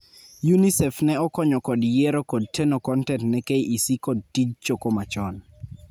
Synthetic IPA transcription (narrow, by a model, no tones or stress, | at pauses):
junisɛfnɛɔkɔɲɔkɔdjeɾokɔd̚tʰenokɔntɛntnɛkeʔisikɔd̚tid͡ʒt͡ʃokomat͡ʃɔn